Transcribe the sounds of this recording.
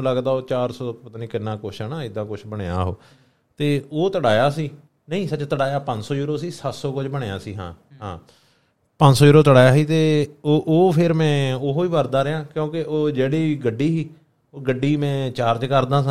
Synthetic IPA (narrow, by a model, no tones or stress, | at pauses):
ũːləɡd̪aːoːt͡ʃaːɾsɔːpət̪aːnĩːkɪnːãːkʊʃʰaːnaːɪd̪ãːkʊt͡ʃʰbəɳeːa̰ːɦo̰ː | t̪eːoːt̪əɽaːjaːsiː | nəĩːsət͡ʃt̪əɽaːjaːpə̃ɲd͡ʒsɔːjuːɾoːsiːsət̪sɔːkʊd͡ʒbəɳeja̰ːsiːɦã̰ː | ɦã̰ː | pə̃ɲd͡ʒsɔːjuːɾoːt̪əɽaːjaːɦiːt̪eːoːʔoːpʰɪɾmɛ̃ːoɦoːiːʋəɾd̪aːɾejãːkjõːkɪʔoːd͡ʒeːɽiːiːɡəɖːiːɦiː | oːɡəɖːiːmɛ̃ːt͡ʃaːɾd͡ʒkəɾd̪ãːsə̃